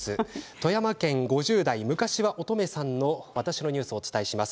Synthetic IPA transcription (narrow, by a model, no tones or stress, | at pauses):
sɨt̪o̞jamakẽ̞ŋɡo̞ʑɨːd̪aimɯ̟kaɕiβaʔo̞t̪o̞me̞sãnːo̞βat̪aɕino̞ɲ̟ɨːsɨo̞ːt͡sɨ̥t̪aiɕimasɨ̥